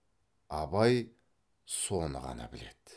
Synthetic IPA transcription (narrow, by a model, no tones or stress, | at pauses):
ɑbɑj | so̞nəʁɑ̰nɑ̰bɪle̞d̪̥